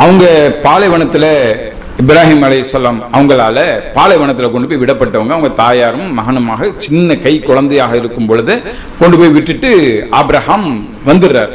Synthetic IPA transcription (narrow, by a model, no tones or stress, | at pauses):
ɐʋɐŋɡɐpaːlɐɪʋɐɳɐt̪ːɪlɐ | ɪbɪɾaːɦiːmɐlɐɪɪsːɐlaːmɐʋɐŋɡɐɭaːlɐpaːlɐɪʋɐɳɐt̪ːɪlɐkɔɳɖɯp̬oːɪʋɪɽɐpːɐʈːɐʋɐŋɡɐʋɐŋɡɐt̪aːjaːɾɯmːɐɣɐnɯmaːɣɐt͡ʃɪnːɐkɐɪkːɔɻɐnd̪ɐjaːɣɐɪɾɯkːɯmpɔɻɯðɯ | kɔɳɖɯpoːjʋɪʈːɪʈːɯʔaːbɪɾɐhaːm | ʋɐnd̪ɯɾɾa̰ːɾ